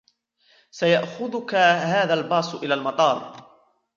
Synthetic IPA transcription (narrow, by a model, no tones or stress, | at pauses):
sajaʔxʊðʊkahaːðalbɑːsˤʔɪlaːlmɑt̪ˤɑːɾˤ